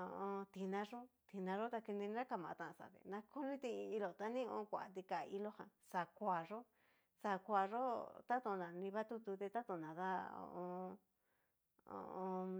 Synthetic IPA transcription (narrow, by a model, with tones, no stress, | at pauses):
õ˧õ˧t̪i˧nã˧ʐo˦t̪i˧nã˧ʐo˦t̪a˧ki˧nĩ˧ɾa˦ka˧˨mã˧˨˧t̪ã˧ʔsa̰˨t̪ḛ˨˧nã˧ko˦nĩ˦t̪ĩ˧i˧lo˨t̪a˧nĩ˦õ̰˧˦˧kʷa˨a˨t̪i˧ka˨˧i˧lo˦hã̰˧sa˨kʷa˨ʐo˦ | sa˧kʷa˧ʐo˦t̪a˦t̪o˧nã˨nĩ˧βa˦t̪u˧t̪u˧t̪e˧t̪a˦t̪o˧˨nã˨ða˦õ̰˧ʔõ˧ | o̰˧ʔõ˧